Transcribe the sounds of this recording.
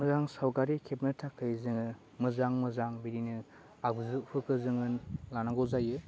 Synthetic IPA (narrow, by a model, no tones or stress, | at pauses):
mɯzaŋsawkaɾikʰep̚nɯtʰakʰːɯjzɯŋɯ | mɯzaŋmɯzaŋbiɾinɯ | abzɯpʰɯkɯzɯŋɯnlanaŋɡɔzajɯ